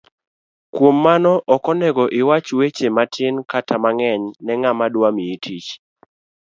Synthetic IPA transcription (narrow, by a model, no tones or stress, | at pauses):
kwomːanɔʔɔkɔnɛɡɔʔɪwat͡ʃwet͡ʃematʰɪnkatʰamaŋɛɲnɛŋamadwamiitʰit͡ʃ